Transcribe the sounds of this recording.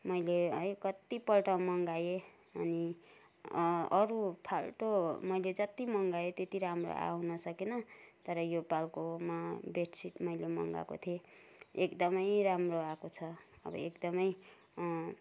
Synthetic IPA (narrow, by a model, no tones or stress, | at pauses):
mʌjleʌjkʌt̪ipʌlʈʌmʌŋɡaje | ʌ̰ni | ʌɾupʰalʈomʌjled͡zʌt̪imʌŋɡajet̪jet̪iɾamro̰a̰ɦunʌsʌkenʌt̪ʌɾʌjopalkomabeʈsiʈmʌjlemʌ̰ŋɡa̰ko̰t̪ʰieekd̪ʌmʌjɾamroakot͡sʰʌ | ʌ̰bʌ̰ekd̪ʌmʌj